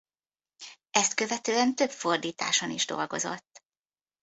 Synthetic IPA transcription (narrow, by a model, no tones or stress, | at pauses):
ɛst̪kø̞vɛt̪øːɛnt̪ø̞pfo̞rd̪iːt̪a̰ːʃoniʒd̪o̞̰lɡo̞̰zo̞̰t̪ː